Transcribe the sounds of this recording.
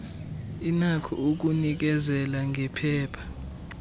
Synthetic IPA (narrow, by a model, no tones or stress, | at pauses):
inakʰɔ̰uk̬unik̬ɛzɛlaŋʱɛpʰɛːpʰḁ